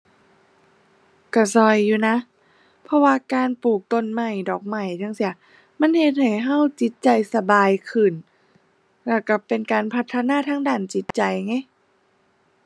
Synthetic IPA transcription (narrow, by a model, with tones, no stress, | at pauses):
ka˧˩sɔ˧jːuː˧na˧˦˥ʔ | pʰɔ˧waː˧kaː˧npuː˨˩k̚t̪o˧nma˧˩jdɔː˨˩k̚ma˨˩jt̪ʰa˧˥˨ŋsi˧˩ɐ | ma˧˥˨nhe˧˩t̪̚ha˨˩jɦa˧˥˩wt͡ɕi˧˦˥t̪̚t͡ɕa˧jsa˧baː˧jkʰɯː˨˩n | lɛ˧˩ka˧˩pe˧nkaː˧npʰa˧˥t̪ʰːa˧naː˧˥˨t̪ʰaː˧˥˨ŋdaː˧˩nt͡ɕi˧˦˥t̪̚t͡ɕa˧jŋa˧˥˩j